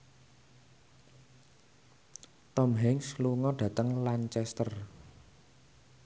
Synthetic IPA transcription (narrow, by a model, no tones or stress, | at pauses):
t̪ɔmɦɛŋsluŋɔɖ̥ä̤t̪əŋlant͡ʃɛst̪ər